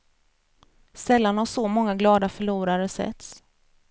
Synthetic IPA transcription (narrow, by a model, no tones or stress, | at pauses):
sɛlːanhaʂɔmɔŋːaɡlɑːd̪afœɭuːɾaɾəsɛ̰t̪s